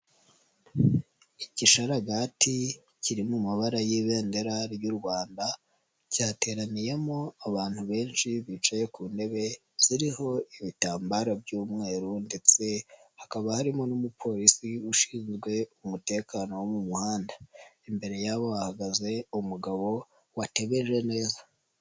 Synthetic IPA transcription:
iciʃaɾaɡati | ciɾimumaβaɾajiβe̞ːnde̞ɾaɾjuːɾɡwaːnda | caːte̞ːɾanijemo̞aβaːn̥huβe̞ːnʃiβit͡ʃaje̞kuːnde̞βe̞ | z̥iɾiho̞iβitaːmbaɾabjuːmŋe̞ːɾunde̞t͡se̞hakaβahaɾimo̞numupʰo̞ːɾisiuʃiːnzɡwe̞umute̞ːkaːno̞womumuhaːndaimbe̞ɾe̞jaβowahaɡaze̞umuɡaβo̞ | wate̞βe̞ʒe̞ne̞ːza

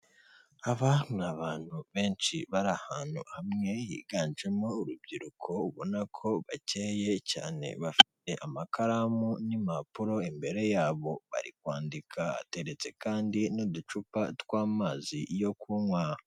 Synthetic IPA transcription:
aβaaβaːn̥huβe̞ːnt͡ʃiβaɾahaːn̥hṵhamŋe̞jḭːɡaːnʒe̞mouɾub̚ɟiɾukʰo̞uβonakʰo̞βace̞ːje̞ca̰ːne̞̰βafi̥te̞ʔamakʰaɾamunimapuɾo̞imbe̞ɾe̞jaːβo̞βa̰ɾikwaːndikʰaa̰te̞ɾe̞t͡se̞kaːndinodut͡ʃupatwaːmaːzijo̞kuːmwaːho

